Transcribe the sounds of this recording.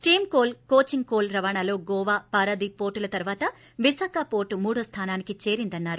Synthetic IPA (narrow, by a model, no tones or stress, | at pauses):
sʈiːmkoːlkoːt͡ʃiŋkoːlɾɐʋaːɳalo̞ːɡɔːʋaːpaːɾɐd̪ipoːɾʈulɐt̪ɐɾʋaːt̪ɐ | ʋisaːkapoːɾʈːumuːɽust̪ʰaːnaːnikit͡ʃe̞ːɾind̪ɐnːaːɾu